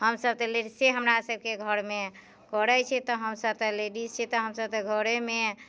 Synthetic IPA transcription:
həmsəb̚t̪eleɖiseɦəmɾasəb̚keɡʱəɾme | kɔɾɛt͡ʃʰɛt̪ɔɦəmsəb̚t̪əleɖist͡ʃʰɛt̪ɔɦəmsəbt̪eɡʱəɾeme

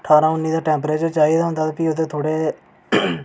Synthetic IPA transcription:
ʈʰaːɾãːʊnːiːd̪aːʈɛ̃ːmpɾeːt͡ʃt͡ʃaːiːd̪aːɦʊnd̪aːt̪apiːod̪ẽːt̪ʰoːɽeː

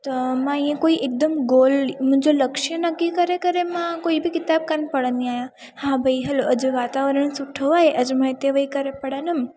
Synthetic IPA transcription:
t̪omãejãkoiʔek̚d̪əmɡolmə̃d͡ʒoləkʃənəkːikəɾekəɾemãkoibʱikɪt̪ab̚kanpəɽəniaja | hãbʱəjɦəloʔəd͡ʒeʋat̪aʋəɾəɳ̃suʈʰəʋaeʔəd͡ʒməet̪eʋəikəɾepəɽanəm

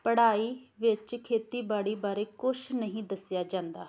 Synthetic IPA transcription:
pəɽaːiːʋɪt͡ʃkʰeːt̪iːbaːɽiːbaːɾeːkʊʃnəɦĩːd̪əsɪjaːd͡ʒãːnd̪aː

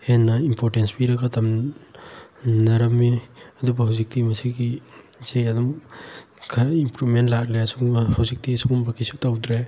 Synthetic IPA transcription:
henːɐimpʰoɾtenspiɾɐɡatʰɐm | nɐɾɐmːiɐdubɐɦawzik̚timɐsiɡisejɐdum | kʰimpɾubmentlaklesuhawzik̚tisuŋumbɐkʰisutawdɾe

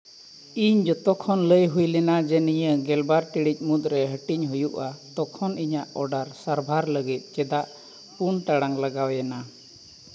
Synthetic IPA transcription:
iɲd͡ʒɔt̪ɔkʰɔnləjɦujlɛnad͡ʒɛnijəɡɛlbaɾʈiɽic̚ˀmut̪̚ɾɛɦəʈiɲɦujuʔat̪ɔkʰɔniɲaʔɔɖaɾsaɾbʱaɾləɡit̪̚ˀt͡ʃɛd̪aʔ | puɳʈaɽaŋləɡawjana

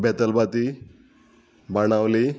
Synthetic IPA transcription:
bɛt̪əlbat̪i | bañawli

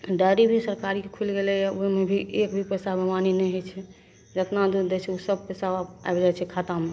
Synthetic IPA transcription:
ɖaɾibʱisəɾkaɾikekʰulɡelɛaoimebʱiʔekbʱipɛsabʱemaninɛjɦot͡ʃʰɛ | d͡ʒət̪nad̪ud̪ɛt͡ʃʰɛusəb̚pɛsaa̰ebd͡ʒaɛt͡ʃʰɛkʰat̪ame

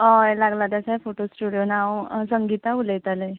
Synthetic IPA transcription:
ɔelaɡlat̪jasafoʈosʈuɽijonawsəŋɡit̪auləjt̪ale

